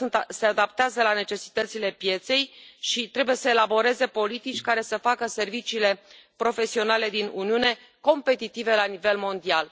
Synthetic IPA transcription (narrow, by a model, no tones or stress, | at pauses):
nt̪se̞ad̪apt̪eazəlane̞t͡ʃe̞si̥t̪ət̪sile̞pje̞t̪se̞jʃit̪ɾe̞buje̞səelabo̞ɾe̞ze̞po̞lit̪it͡ʃʲkaɾe̞səfakəse̞rvit͡ʃiːle̞pɾo̞fe̞sio̞nale̞d̪inuniune̞ | ko̞mpe̞t̪it̪ive̞lanive̞lmo̞nd̪ial